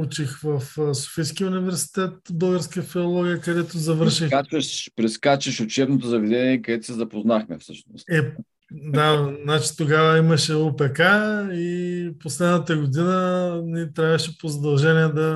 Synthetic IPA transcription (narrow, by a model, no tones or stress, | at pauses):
ut͡ʃixvɐfso̥fisk̟iʊnivɛɾsi̥t̪ɛt̪bɤlˠɡəɾskəjəfilolˠɔɡʲijəkɐd̪ɛt̪ʊzɐvɤɾʃixat͡ʃɐʃpɾɛskat͡ʃəʃʊt͡ʃɛbnot̪ozɐvɛd̪ɛniɛkɐd̪ɛt̪sɛzɐpoznaxmɛfsɤʃnost̪ɛ | d̪anat͡ʃi̥t̪oɡavəimɐʃɛopɛkaiposlɛd̪nət̪əɡod̪inənit̪ɾʲavəʃɛpozɐd̪ɐlˠʒɛniɛd̪ɐ